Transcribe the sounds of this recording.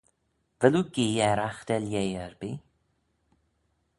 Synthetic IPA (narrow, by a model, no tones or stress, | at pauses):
vɛluɡiːɛɾaxd̪̥ɛljejəɹbiː